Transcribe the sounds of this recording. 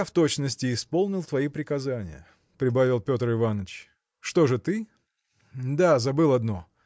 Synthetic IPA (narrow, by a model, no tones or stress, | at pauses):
aft̪o̞t͡ɕnəsʲtʲɪːspo̞lˠnʲɪlˠt̪vɐipɾʲɪkɐzanʲɪ̰jə̰ | pɾʲɪbavʲɪlˠpʲo̞t̪rɨvanət͡ɕ | ʂt̪o̞ʐɨt̪ɨ | d̪azɐbɨlˠɐd̪no̞